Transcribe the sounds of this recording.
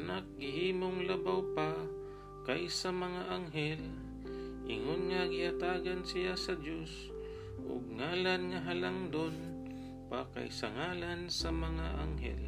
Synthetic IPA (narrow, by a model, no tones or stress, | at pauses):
nak̚ɡɪhiːmoŋlabawpa | kajsamɐŋaʔaŋɦɛl | ʔɪŋonŋaɡɪʔat̪aːɡansɪjasɐd̪jos | ʔʊ̰ɡ̚ŋaːlanŋaɦalaŋd̪on | pa̰ka̰jsaŋaːlansamɐŋaʔa̰ŋɦɛ̰l